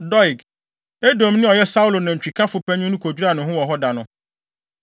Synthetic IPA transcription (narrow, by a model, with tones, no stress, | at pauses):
dɔ˦i˨ɡ | e˦dõ˨mnɪ̃˦ɔ˨jɛ˦sa˦u˦lo˨nã˨ɲ̩˨t͡ɕᶣi˨kʰa˦fʊ˨pʰɛ˦ɲʊ̃˦nʊ̃˦kʰo˨d͡ʑᶣu˦ɾa˨nʊ̃˨ɦʊ̃˦wɔ˨ɦɔ˦da˨nʊ̃˦